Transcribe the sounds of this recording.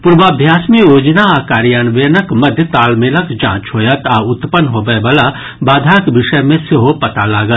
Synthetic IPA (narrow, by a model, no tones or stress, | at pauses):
pʊɾʋaːbʱjaːsmijoːd͡ʒnaaːkaːɾjaːnʋeːnəkmɐd̪ʱjət̪aːlmeːləkd͡ʒã̰ːt͡ʃɦoːjət̪aːʊt̪pənɦoːʋebɐla | baːd̪ʱaːkʋɪʃəjmẽsɪɦopɐt̪alaːɡət̪